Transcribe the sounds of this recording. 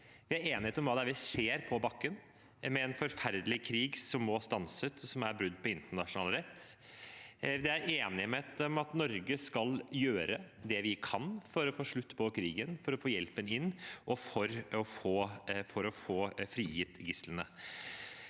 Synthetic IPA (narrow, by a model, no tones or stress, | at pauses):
ʋɪæɾeːnɪheːt̪ɔmʋɑːd̪ɛæɾʋɪseːɾpʰɔbɑkːən | mɛɛnfɔɾfæɾd̪lɪkʰɾiːɡsɔmːɔst̪ɑnsət̪ɔsɔmæɾbɾʉd̪ːpʰɔɪnt̪əɳɑʂʊnɑːlɾɛt̪ː | d̪ɛæɾʔeːnɪəmeːt̪ɔmɑt̪nɔɾɡəskɑljøːɾə | d̪ɛʋɪkʰɑnfɔɾɔfoːʂɭʉt̪ːpʰɔkʰɾiːɡənfɔɾɔfoːjɛlpənɪnːʔɔfɔɾɔfoːfɔɾɔfoːfɾiːjɪt̪ːɡɪslənə